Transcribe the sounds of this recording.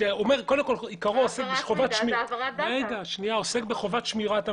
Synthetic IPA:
eomeʁkodemko̞likaʁoosekbeχovatʃmiejd̪aʃniaosekbeχovat̪ʃmiʁat̪a

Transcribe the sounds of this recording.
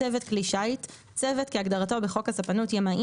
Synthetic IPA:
evet̪kliʃait | t͡sevetkeaɡdaʁato̞beχo̞kasapanutjamaʔi

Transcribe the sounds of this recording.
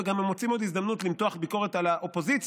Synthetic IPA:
eɡamemːot͡simo̞d̪izd̪amnut̪limtoaχbiko̞ʁe̞t̪alaʔo̞po̞zit͡s

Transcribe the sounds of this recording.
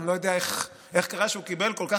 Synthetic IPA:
lojod̪eaeχ | ʔe̞χkaʁaʃeukibelko̞lka

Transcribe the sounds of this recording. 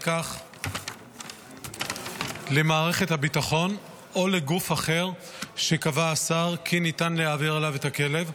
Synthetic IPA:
kaχ | lemaːʁe̞χe̞thabitaχo̞n | o̞leɡufaχe̞ʁʃe̞kavaːsaʁkʰinitanlehaːviʁalave̞thake̞le̞v

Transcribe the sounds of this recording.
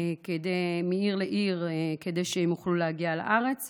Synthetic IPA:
ked̪ejmeiʁleʔiʁked̪ejʃehemjuχlulehaɡiala̰ʔaʁe̞t͡s

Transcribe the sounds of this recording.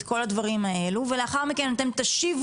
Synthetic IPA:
tko̞lad̪vaʁimae̞luvele̞aχaʁmike̞nat̪e̞mt̪aʃiv

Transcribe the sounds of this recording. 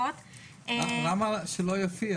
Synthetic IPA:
ot̪ | aʁamaʃelojofi

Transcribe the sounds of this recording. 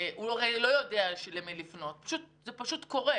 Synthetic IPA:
uoʁelo̞jodeaʃelemilifno̞t̚pḁʃut̚zepaʃutko̞ʁe

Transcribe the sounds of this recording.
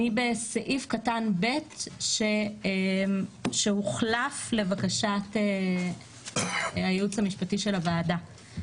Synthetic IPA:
nibeseʔifkatanbe̞tʃe | ʃehuχlafle̞vakaʃate | ajeut͡shamiʃpatiʃe̞lavaːda

